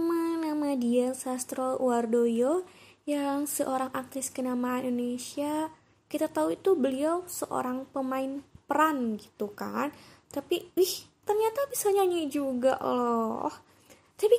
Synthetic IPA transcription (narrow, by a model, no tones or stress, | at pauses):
amanamadiansast̪ɾowardojojaŋsəʔoɾaŋʔak̚t̪ɪskənamaanʔindonesia | kit̪at̪auit̪ubəliawsəʔo̰ɾaŋpəmaɪnpəɾanɡit̪uka̰n | t̪apiiht̪ərɲat̪abisaɲaɲad͡ʒuɡa̰ʔlɔ̰h | t̪api